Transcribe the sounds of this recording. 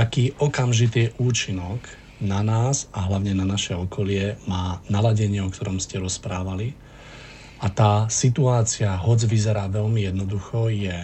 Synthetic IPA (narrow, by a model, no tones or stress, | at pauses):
akiːʔɔkamʒit̪iːʔuːt͡ʃinɔɡ | nanaːzaɦlaʊɲɛnanaʃɛɔkʰɔlɪɛmaːnalaɟɛɲɪɛɔkt̪ɔɾɔmscɛɾɔspɾaːʋali | ʔat̪aːsit̪uaːt͡sɪaɦɔd͡zʋizɛɾaːʋɛʎmijɛd̪nɔd̪uxɔjɛ